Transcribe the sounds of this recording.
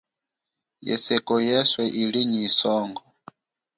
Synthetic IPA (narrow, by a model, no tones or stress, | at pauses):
jɛ̰sɛkɔjɛswɛʔiliɲisɔːŋɡɔ